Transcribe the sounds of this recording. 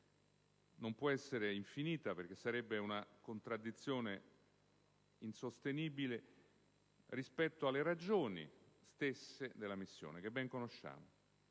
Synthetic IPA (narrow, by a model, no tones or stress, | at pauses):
nompwɔɛsːeɾeiɱfiniːt̪aperk̟esːaɾɛbːeunakont̪ɾad̪ːit̪sːjoːne | insost̪eniːbile | rispɛt̪ːoalːeɾad͡ʒoːnḭst̪esːed̪elːamisːjo̰ːnek̟ebːɛŋkonoʃːa̰ːmo